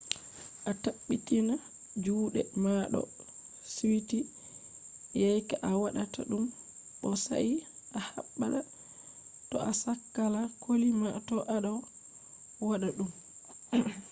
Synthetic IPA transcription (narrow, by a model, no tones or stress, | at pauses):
ʔataɓːitina | d͡ʒuːɗɛmaɗɔ̰ | siwiti | jajkaʔawaɗatʰa̰ɗumɓɔsa̰ʔiʔaha̰ɓːaɗa | tɔʔasakːalakʰolimatɔʔaɗaw | waɗaɗum